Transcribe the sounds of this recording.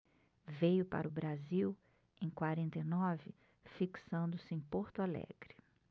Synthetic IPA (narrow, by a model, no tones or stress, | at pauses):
vejʊpa̰ɾʊbɾaziw | ẽj̃kwaɾẽnt̪ejnɔvɪ | fiksɐ̃nd̪ʊsɪẽj̃poɾt̪ʊalɛ̰ɡɾɪ